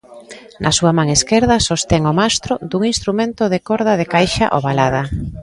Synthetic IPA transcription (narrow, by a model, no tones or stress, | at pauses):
nʔɐsuamãŋeskeɾðɐsost̪ɛŋomast̪ɾod̪uŋinst̪ɾumẽnt̪oðekoɾðað̞ekajʃa̰ʔo̰βalað̞a